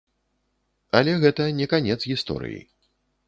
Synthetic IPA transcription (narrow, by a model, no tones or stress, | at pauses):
ɐlʲɛɣɛt̪ɐnʲɛkanʲɛt̪sɣʲist̪ɔ̰ɾɨ̰jḭ